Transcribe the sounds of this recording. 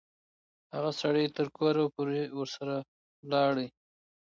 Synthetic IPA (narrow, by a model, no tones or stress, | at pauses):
haɣasaɽəjt̪əɾkoɾapoɾewəɾsaɾa | lɑɽi